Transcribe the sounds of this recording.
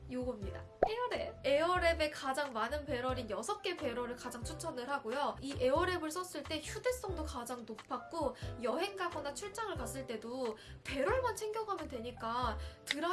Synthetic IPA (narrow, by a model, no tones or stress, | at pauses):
joɡʌmɲida̰ | eʌɾee̞ʌɾe̞be̞kad͡ʑaŋmanɯnpe̞ɾʌɾinjʌsʰʌp̚k͈e̞pe̞ɾʌɾɯɭkad͡ʑaŋt͡ɕʰut͡ɕʰʌnɯɭɦaɡojoiʔe̞ʌɾe̞bɯɭs͈ʰʌs͈ɯɭt͈e̞çude̞s͈ʌŋdokad͡ʑaŋnopʰak̚k͈ojʌɦe̞ŋɡaɡʌnat͡ɕʰuɭt͡ɕ͈aŋɯɭkas͈ɯɭt͈e̞do | pe̞ɾʌɭmant͡ɕʰe̞ŋɡjʌŋɦamjʌndwe̞ɲik͈atɯɾʌ